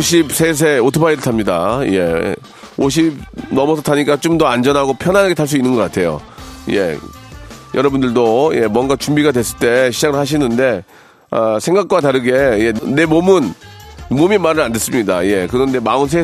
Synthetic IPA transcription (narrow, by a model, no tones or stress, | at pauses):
oɕʰibsʰes̬ʰeotʰɯpʰaiɾɯɭtʰamɲidaje̞̰ | oɕ̬ʰibnʌmʌsʰʌtʰaɲik͈at͡ɕomdʌand͡ʑʌnɦaɡopʰjʌnɦanaɡe̞tʰaɭs̬͈uinːɯnɡʌk͈atʰe̞jo̰je̞̰ | jʌɾʌbundɯɭdoje̞mwʌnɡat͡ɕumbiɡadwe̞s͈ɯɭt͈e̞ɕʰid͡ʑaɡɯɭhaɕ̬ʰinɯnde̞ | ʌsʰe̞ŋɡak̚k͈wataɾɯɡe̞je̞ːe̞momɯnmomimaɾɯɭandes͈ɯmɲida̰je̞kɯɾʌnde̞maɯns̬ʰe